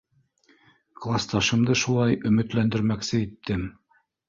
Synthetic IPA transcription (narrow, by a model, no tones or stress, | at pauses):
klˠast̪ɑʃɤ̆md̪ɤʃulˠɑjɵ̆mɘ̆t̪lænd̪ɘ̆ɾmæksɘit̪ːɘm